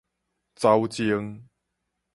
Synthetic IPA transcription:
t͡sa˦wt͡ɕi˧əŋ

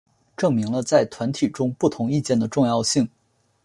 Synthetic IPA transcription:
ʈ͡ʂɤ˥˩ŋmi˧˥ŋlə˧t͡sa˥˩ɪt̪ʰwa˧˥nt̪ʰi˨˩ʈ͡ʂʊ˥ŋpu˥˩t̪ʰʊ˧˥ŋi˥˧t͡ɕjɛ˥˩nd̪ə˩ʈ͡ʂʊ˥˧ŋjɑ˥˧ʊɕi˥˩ŋ

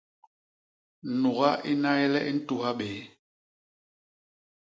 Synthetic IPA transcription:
nu˨ɣa˦ʔi˦na˦jɛ˦lɛ˦ʔi˦n̩˦tu˦ɦa˦ɓeː˨˦

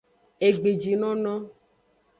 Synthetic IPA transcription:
e˨ɡ͡be˨d͡ʒi˨nɔ̃˦nɔ̃˦

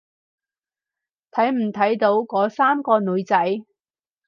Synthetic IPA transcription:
t̪ʰɐ˨˥jm̩˨˩t̪ʰɐ˨˥jt̪o˨˥wkɔː˨˥saː˥mkɔː˧nɵ˨˧ɥt͡sɐ˨˥j

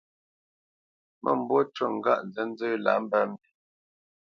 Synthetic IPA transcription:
mʔə̰˦˨m̩˨bwɔ˦twə˦˨ŋ̩˨ɡa̰˦ʔn˨zə˨˦n˦d͡zə˦la̰˨˦m̩˦bɛ˦m˦bi˦

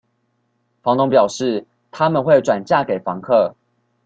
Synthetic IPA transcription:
fɑ˧˦ŋt̪ʊ˥ŋpjɑ˨˩ʊʂɻ̩˥˨ | t̪ʰa˦mə˨nxwe˥˨ɪʈ͡ʂwa˨˩nt͡ɕja˥˩ke˨ɪfɑ˧˦ŋkʰɤ˥˨

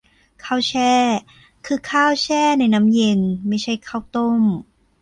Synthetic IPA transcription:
kʰaː˥˩wt͡ɕʰɛː˥˩ | kʰɯː˧kʰaː˥˩wt͡ɕʰɛː˥˩na˧jna˦˥mje˧nma˥˩jt͡ɕʰa˥˩jkʰaː˥˩wt̪o˥˩m

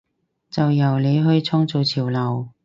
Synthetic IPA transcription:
t͡sɐ˨wjɐ˨˩wle˨˧jɦɵ˧ɥt͡sʰɔː˥ŋt͡so˨˧wt͡sʰiː˨˩wlɐ˨˩w

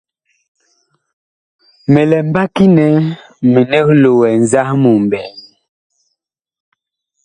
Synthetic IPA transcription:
me˨lɛ˨m˦ba˦ki˦nɛ˨˦ | me˨ne˦k̚lo˨wɛ˨n˨za˦hmu˨m˨bɛ˨

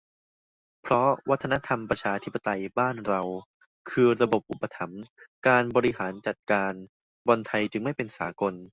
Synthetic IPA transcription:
pʰɾɔ˦˥wa˦˥t̪ʰːa˧na˦˥t̪ʰa˧mpɾa˧t͡ɕʰaː˧t̪ʰi˦˥pːa˧t̪a˧jbaː˥˩nɾa˧w | kʰɯː˧ɾa˧bo˨˩p̚ʔu˨˩pːa˧t̪ʰa˩˦mkaː˧nbɔː˧ɾi˦˥ɦaː˩˦nt͡ɕa˨˩t̪̚kaː˧n | bɔ˧nt̪ʰa˧jt͡ɕɯ˧ŋma˥˩jpe˧nsa̰ː˩˦ko˧n

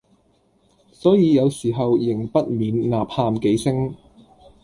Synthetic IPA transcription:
sɔː˨˥jiː˨˧jɐ˨˧wsiː˨˩ɦɐ˨wjɪ˨˩ŋpɐ˥t̚miː˨˧nlaː˨p̚haː˧mke˨˥jsɪ˥ŋ

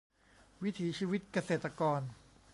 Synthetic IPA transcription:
wi˦˥t̪ʰiː˩˦t͡ɕʰiː˧wi˦˥t̪̚ka˧seː˨˩t̪ːa˧kɔː˧n

